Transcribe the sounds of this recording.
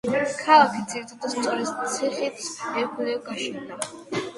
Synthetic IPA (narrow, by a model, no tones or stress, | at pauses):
kʰalˠakʰid̪ziɾit̪ʰad̪ast̪sʼɔɾɛst̪sʰiχit̪ʰsɛkʰɛlɛɡaʃɛnd̪a